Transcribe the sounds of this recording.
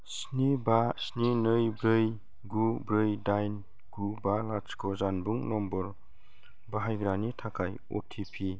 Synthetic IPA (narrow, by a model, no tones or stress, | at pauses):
s | nibasninɯjbɾɯj | ɡubɾɯjdajn | ɡ̥ubalat͡ʃkʰɔzanbuŋnɔmbɔɾ | baɦajɡɾanitʰakʰaj | o̰tʰipʰi